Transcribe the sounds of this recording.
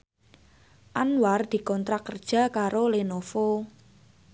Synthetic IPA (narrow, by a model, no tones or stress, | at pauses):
ʔanward̪̥i̤kɔnt̪ɾakərd̥ʒ̥a̤kaɾolenofo